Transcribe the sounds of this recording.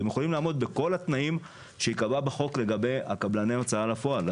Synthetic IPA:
emjexolimlaːmo̞d̪̚be̞ko̞lhat̪naim | ʃeikababeχo̞kle̞ɡabe̞ja̰kablaneat͡saalafo̞al

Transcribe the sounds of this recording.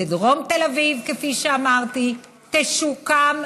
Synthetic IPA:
idʁo̞mt̪elavivkefiʃeamaʁt̪i | t̪eʃukam

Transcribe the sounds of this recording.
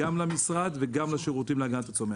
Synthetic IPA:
amlamisʁad̪veɡamlaʃeʁut̪imlaɡant̪at͡some

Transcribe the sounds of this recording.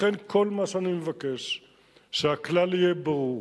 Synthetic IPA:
enkʰo̞lmaʃeanimevakeʃ | ʃeaklalijebaʁuʁ

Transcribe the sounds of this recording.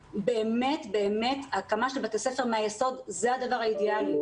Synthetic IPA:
be̞ːme̞tbe̞ːme̞t̪akamaʃelbat̪ese̞fe̞ʁmeajeso̞dzead̪avaʁaid̪eali

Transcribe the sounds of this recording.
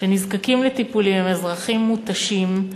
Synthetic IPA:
ʃenizkakimlet̪ipulimezʁaχimːut̪aʃim

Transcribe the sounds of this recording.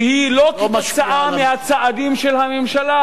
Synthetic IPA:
hilokmat͡saʔamehat͡saʔad̪imʃelhamemʃala

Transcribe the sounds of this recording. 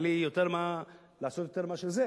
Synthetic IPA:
lijot̪eʁma | laːsot̪jot̪e̞ʁmaʃelze

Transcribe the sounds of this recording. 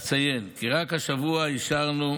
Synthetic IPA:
t͡sajenkiʁakhaʃavuaiʃaʁnu

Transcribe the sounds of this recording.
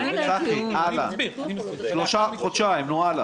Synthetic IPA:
satiala | ʃloʃaχod̪ʃaimnuala

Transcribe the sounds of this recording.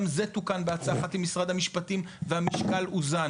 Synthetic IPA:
mzet̪ukanbeat͡saχatimːisʁad̪hamiʃpatimvehamiʃkaluza

